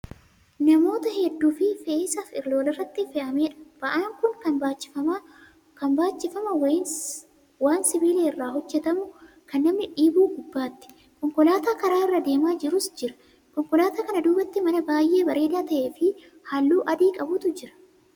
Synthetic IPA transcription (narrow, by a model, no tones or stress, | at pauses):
nɐmo̞ːt̪ɐhɛd̪ːuːfɪfeːsɐfɪɾlo̞ːlɪrːɐt̪ːɪfɛʔɐmeːᶑɐ̥b̥ɐʔaːŋkʊŋkɐnbaːt͡ʃːɪ̥fɐmaː | kɐnbaːt͡ʃːɪfɐmɐwɐɪn | waːnsɪbiːleːɪrːaːɦɔd͡ʒːɛt̪ɐmʊ | kɐnːɐmnɪᶑiːbuːɡʊbːaːt̪ːɪ̥ | kɔŋkɔlaːt̪aːkɐɾaːɪrːɐd̪e̞ːmaːd͡ʒɪɾʊsd͡ʒɪɾɐ̥ | kɔŋkɔlaːt̪aːkɐnɐd̪uːbɐt̪ːɪmɐnɐbaːjʔe̞ːbɐɾe̞ːd̪aːt̪ɐʔe̞ːfɪ | hɐlːuːʔɐd̪iːkʼɐbʊt̪ʊd͡ʒɪɾɐ̥